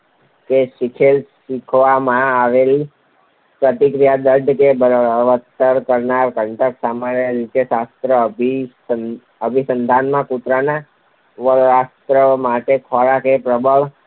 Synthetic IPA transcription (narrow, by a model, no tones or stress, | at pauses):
keʃikʰelʃikʰʋamãaʋeli | pɾət̪ikɾijad̪əɾɖkebʱəɾʋət̪ːəɾkəɾnaɾkəɳʈ̪əksamanjəɾit͡ʃesast̪ɾəbʱi | ə | əbʱisənd̪ʱanmãkut̪ɾana | ʋəɾast̪ɾəmaʈekʰɔɾakepɾəbəɭ